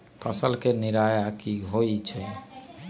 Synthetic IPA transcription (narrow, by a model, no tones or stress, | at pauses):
pʰəsəlkeniɾajakiɦoit͡ʃʰɛ